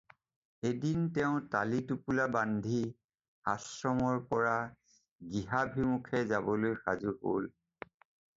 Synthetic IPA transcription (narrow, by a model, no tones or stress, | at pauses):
edintɛʊ̃ta̰litupulabandʱi | hasɹɔmɔɹpɔɹa | ɡiɦabʱimukʰɛzabɔlojxa̰zuɦo̰l